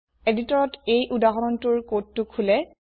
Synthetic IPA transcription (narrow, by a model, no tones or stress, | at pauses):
editɔɹɔtejʔudaɦɔɹɔntuɹkotːukʰulɛ